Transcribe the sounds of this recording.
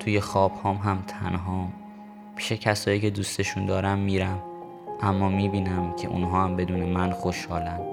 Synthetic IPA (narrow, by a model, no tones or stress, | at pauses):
t̪ʰuːje̞xɒːb̥hɒːmɦæmt̪ʰæ̰nɦɒːm | pʰi̥ːʃecʰæsɒːjiːcʰe̞d̪uːst̪e̞ʃund̪ɒːɾæmːiːɾæm | ʔæmːɒːmiːbiːnæmcʰe̞̰ʔṵnɦɒːæmbe̞d̪uːnemænxoʃhɒːlænd̪̥